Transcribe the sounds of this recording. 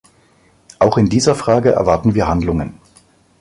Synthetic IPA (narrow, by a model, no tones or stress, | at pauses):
ʔaʊxɪndiːzɐfʁ̥aːɡəʔɛ̰ɐvaɐtn̩viːɐɦandlʊŋən